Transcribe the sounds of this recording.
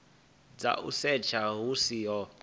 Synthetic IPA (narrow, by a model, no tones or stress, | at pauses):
d͡za̰ʔṵsɛt͡ʃʰaɦusijɔ